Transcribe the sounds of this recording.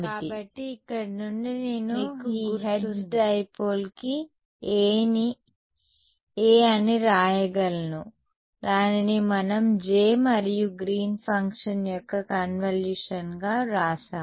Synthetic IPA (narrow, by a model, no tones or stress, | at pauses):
miʈːibɐʈːiːkːɐɽɐnuɳːineːnukːɦesʈɐjpoːlki | eːni | eːɐniɾaːjɐɡɐlɐnu | ɾaːnɐnimɐnɐmd͡ʒeːmɐɾijuɡɾiːnpʰɐŋkʂɐnjɔkːɐkɐnʋɐljuːʂɐnɡaːɾaːsaː